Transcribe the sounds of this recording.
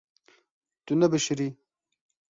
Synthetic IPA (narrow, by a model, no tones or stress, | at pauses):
t̪unɐbɐʃɾi